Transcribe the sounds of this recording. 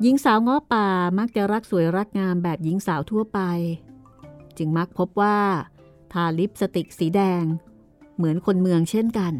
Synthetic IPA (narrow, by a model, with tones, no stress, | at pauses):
ji˦˥ŋsaː˩˦wŋɔ˦˥pːaː˨˩ma˦˥k̚t͡ɕa˨˩ɾa˦˥k̚su˨˩˦jɾa˦˥k̚ŋaː˧nbɛː˨˩p̚ji˨˦˥ŋsaː˩˦wt̪ʰu˥˩ɐpa˧j | t͡ɕɯ˧ŋma˦˥k̚pʰo˦˥p̚waː˥˩ | t̪ʰaː˧li˦˥p̚sa˧t̪i˨˩k̚siː˩˦dɛː˧ŋ | mɯ˩˦ənkʰo˧nmɯ˧əŋt͡ɕʰe˥˩nka˧n